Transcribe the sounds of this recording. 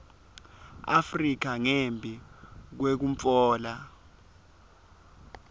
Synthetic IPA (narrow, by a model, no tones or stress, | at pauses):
a̰frik̬aŋembʱik̬wek̬umfɔːla